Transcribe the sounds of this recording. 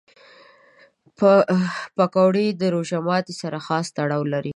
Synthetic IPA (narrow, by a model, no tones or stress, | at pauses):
pakawɽed̪əɾoʒamɑt̪isaɾaxɑst̪aɽɑwlaɾi